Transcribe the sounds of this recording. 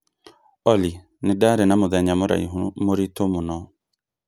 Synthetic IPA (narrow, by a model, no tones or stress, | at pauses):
ɔli | nɪdaɾɪnamʊðɛɲamʊɾa̰ḭɦumʊɾitomʊnɔ